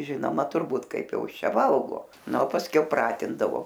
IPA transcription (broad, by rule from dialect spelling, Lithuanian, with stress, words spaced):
ˈʒʲɪnoːmɐ tʊrˈbuːt ˈkɐɪp ˈjɛʊ ˈɪs ˈt͡ʃʲɛ ˈʋɐlˠɡoː ˈnɐ oː pɐsʲˈkʲɛʊ ˈprɑːtʲɪndɐʋoː